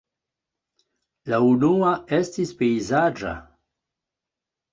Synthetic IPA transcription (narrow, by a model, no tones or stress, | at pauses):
launuaestispeizad͡ʒa̰